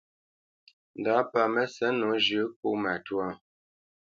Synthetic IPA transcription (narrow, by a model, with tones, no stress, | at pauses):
n̩˨da˨˦pa˨mɛ˦sɛ˨˦no˨˦ʒʉ˨˦k̚u˦ma˨twa˦˨